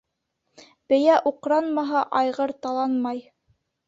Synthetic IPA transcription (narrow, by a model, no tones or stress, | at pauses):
b̥ɘ̆jæʔuqɾɑnmɑɦɑʔɑjʁɤɾt̪ɑlˠɑnmɑj